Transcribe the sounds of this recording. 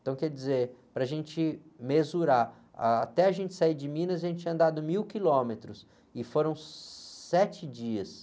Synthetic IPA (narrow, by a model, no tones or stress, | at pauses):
t̪ɐ̃w̃kɛɾd͡ʒizeɾpɾɐaʒẽnt͡ʃɪmezuɾaɾ | a̰at̪ɛɐʒẽnt͡ʃɪ̥saiɾd͡ʒɪmĩnɐzaʒẽnt͡ʃɐ̃nd̪ad̪ʊmiwkilõmet̪ɾʊs | ɪfoɾɐ̃w̃sɛt͡ʃɪd͡ʒiɐs